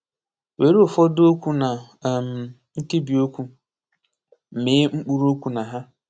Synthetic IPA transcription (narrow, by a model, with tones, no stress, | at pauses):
we˨ɾi˦o˨fɔ˦do˦kʷu˦na˨ | m̩˨ | n̩˦ti˦bi˨o˦kʷu˦˨ | mɪ˨˦ŋ͡m̩˦k͡pu˦ɾo˦kʷu˦na˨ɦa˦